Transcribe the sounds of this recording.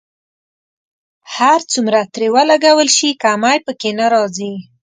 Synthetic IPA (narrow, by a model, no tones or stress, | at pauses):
haɾt͡sumɾat̪ɾewalaɡawəlʃikaːmajpəkenaɾɑzi